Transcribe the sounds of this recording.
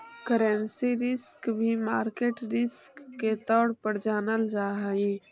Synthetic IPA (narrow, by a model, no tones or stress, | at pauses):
kəɾə̃nsiɾɪskbʱimaːɾkeːʈɾɪskːet̪ɔːɽpəɾd͡ʒaːnəld͡ʒaːɦəi